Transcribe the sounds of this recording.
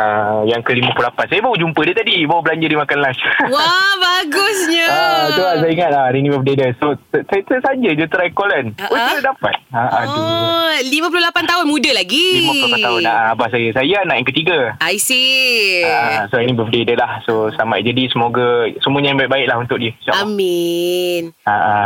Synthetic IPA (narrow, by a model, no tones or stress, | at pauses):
əjaŋkəlimãplulapansajabaud͡ʒumpədiət̪adibawabəlaɲd͡ʒərdimakanlaswabaɡʊsɲaəuas̬ajaiŋat̪̚laɾinĩbəfədedəsossajt̪əsaɲd͡ʒəd͡ʒət̪əɾajkolənust̪ədapa̰t̪̚aʔa | limə̃p̬ulohlapant̪aɦʊnmũdəlaɡilimə̃pulopat̪aɦʊnaʔaabahs̬ajasajanaʔɛŋkət̪iɡaajsiaasoinĩbəfədedəlahsosama̰ʔd͡ʒadisəmoɡasəmuəɲajŋbaiʔ̚baɪʔ̚laɦunt̪ʊk̚diət͡ʃa̰aminaʔa